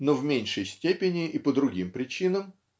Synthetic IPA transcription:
novmʲenʲʂəjsʲtʲepʲɪnʲɪʔipəd̪ɾʊɡʲimpɾʲɪt͡ɕinəm

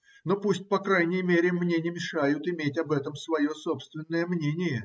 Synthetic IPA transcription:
no̞pusʲtʲpɐkɾajnʲɪjmʲeɾʲɪmnʲenʲɪmʲɪʂajʊt̪ɪmʲetʲɐbɛt̪əmsvɐjo̞so̞pst̪vʲɪnːəjəmnʲenʲɪjə

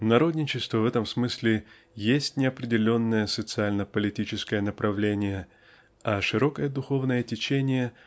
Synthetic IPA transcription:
nɐɾo̞d̪ʲnʲɪt͡ɕɪst̪vəvɛt̪əmsmɨsʲlʲɪ | jesʲtʲnʲɪɐpɾʲɪdʲɪlʲo̞nːəjəsət̪sɨalʲnəpəlʲɪtʲit͡ɕɪskəjənəpɾʔɐvlʲenʲɪjə | ɐʂɨɾo̞kəjəd̪ʊxo̞vnəjətʲɪt͡ɕenʲɪjə

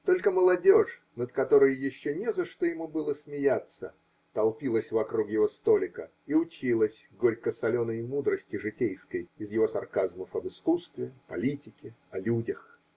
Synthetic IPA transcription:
t̪o̞lʲkəməlˠɐdʲo̞ʂ | nət̪kɐt̪o̞ɾəjːɪɕːonʲɛzəʂt̪ojɪmubɨlˠəsmʲɪjat̪sə | t̪ɐlˠpʲilˠəsʲvɐkɾukjɪvo̞st̪o̞lʲɪkə | iʊt͡ɕilˠəsʲɡoɾʲkəsɐlʲo̞nəɪmud̪ɾəsʲtʲɪʐɨtʲejskəjɪzjɪvo̞sɐrkazməfɐbɨskust̪vʲɪpɐlʲitʲɪkʲɪ | ɐlʲudʲəx

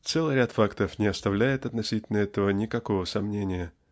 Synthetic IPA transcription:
t̪sɛlˠɨjɾʲat̪fakt̪əfnʲɪɐst̪ɐvlʲæjɪt̪ɐt̪nɐsʲitʲɪlʲnəɛt̪əvənʲɪkɐko̞vəsɐmnʲenʲɪjə

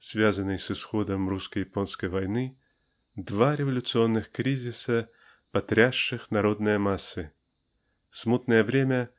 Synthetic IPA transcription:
svʲazənːɨjsɨsxod̪əmruskəjɪponskəjvɐjnɨ | d̪vaɾʲɪvɐlʲʊt̪sɨonːɨxkɾʲizʲɪsə | pɐt̪ɾʲaʂːɨxnɐɾod̪nɨjəmasːɨ | smut̪nəjəvɾʲemʲə

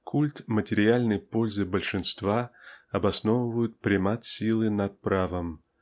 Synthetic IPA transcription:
kʰulʲt̪mətʲɪɾʲɪalʲnəjpolʲzɨbəlʲʂɨnst̪vaɐbɐsnovəvəjʊt̪̚pɾʲɪmat̪sʲilˠɨnat̪̚pɾavəm

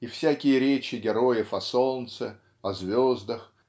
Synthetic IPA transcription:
ifsʲækʲɪjəɾʲet͡ɕɪɡʲɪɾojəfɐsolnnt̪sɨ | ɐzvʲozd̪əx

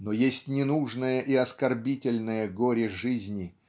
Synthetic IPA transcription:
nojesʲtʲnʲɪnuʐnəjəʔiɐskɐrbʲitʲɪlʲnɨjəɡoɾʲɪʐɨzʲnʲɪ

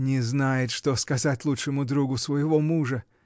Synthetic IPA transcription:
nʲɪznajɪt̪ʂt̪oskɐzatʲlˠutʂɨmʊd̪ɾuɡʊsvəjɪvomuʐə

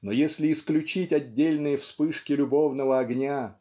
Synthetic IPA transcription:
nojesʲlʲɪːsklʲʉt͡ɕitʲɐdʲːelʲnɨjəfspɨʂkʲɪlʲʊbo̞vnəvəɐɡnʲa

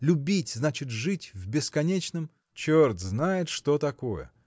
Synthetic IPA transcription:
lʲʊbʲitʲznat͡ɕɪt̪ʐɨtʲvbʲɪskɐnʲet͡ɕnəm | t͡ɕord̪znajɪt̪ʂt̪ot̪ɐkojə̰

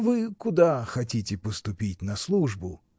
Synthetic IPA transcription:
vɨkʊd̪axɐtʲitʲɪpəst̪ʊpʲitʲnɐslˠuʐbʊ

